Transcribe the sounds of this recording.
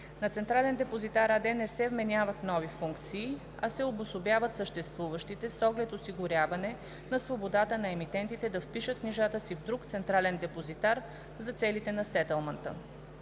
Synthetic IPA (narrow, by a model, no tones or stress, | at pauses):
nɐt̪sɛnt̪ɾalɛnd̪ɛpozit̪aɾad̪ɛnɛsɛvmɛnʲjavət̪nɔvifuŋkt̪siː | ɐsɛobʊsobjavət̪səʃt̪ɛst̪vuvəʃt̪it̪ɛsɔɡlɛt̪osiɡʊɾʲavɐnɛ | nɐsvobod̪at̪ənɐɛmit̪ɛnt̪it̪ɛd̪ɐfpiʃət̪̚kniʒat̪əsivd̪ɾukt̪sɛnt̪ɾalɛnd̪ɛpozit̪aɾ | zɐt̪sɛlit̪ɛnɐsɛt̪ɛlˠmɐnt̪ə̰